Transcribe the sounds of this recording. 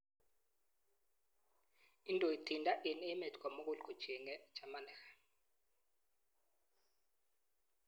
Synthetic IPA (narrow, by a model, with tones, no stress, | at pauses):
i˦ntʼɔ˨i˨tʰi˨ndʼa˦ʔi˨nɛ˦mɛ˨tʰkʰʼa˨mo˦k̬ʼu˦˨lkʼu̥˨t͡ʃi˨ŋɛ̥˦t͡ʃʰa˨ma˨nɛ˨xḁ˨